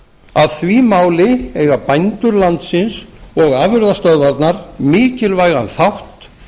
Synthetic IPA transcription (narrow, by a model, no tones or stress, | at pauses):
aðθvimaːwlɪeːjɣapajnt̪ʏɾlant̪sɪnsɔɣaːvʏɾðast̪œðvaɾt̪naɾ̥mɪːcɪlvaːjɣanθawht̪